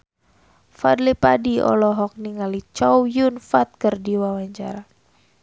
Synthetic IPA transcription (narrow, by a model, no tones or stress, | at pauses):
fadlipadiɔ̰lɔɦɔk̚niŋalit͡ʃɔwjunfat̪̚kərdiwawaɲt͡ʃa̰ɾa